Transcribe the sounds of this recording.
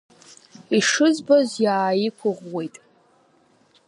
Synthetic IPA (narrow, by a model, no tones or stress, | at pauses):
iʂɨzbozjaːjikʷʰʊʁwe̞jtʼ